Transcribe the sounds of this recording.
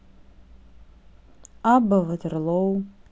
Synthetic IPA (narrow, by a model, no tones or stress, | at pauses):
abavadɨrlow